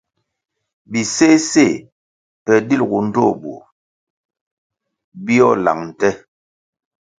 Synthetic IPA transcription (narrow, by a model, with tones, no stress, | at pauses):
bi˨se˦se˦˨ | pɛ˨di˦lɡu˨n̩˦do˦˨bṵ˨ | bi˦ɔ˦˨la̰˨ŋn̩˨tɛ˦